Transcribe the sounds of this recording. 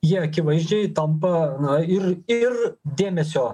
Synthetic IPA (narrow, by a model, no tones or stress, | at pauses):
jiɛɐkʲɪʋɐɪʒʲd͡ʒʲɛɪt̪ɐmpɐnɐɪɾɪrd̪ʲeːmʲɛsʲoː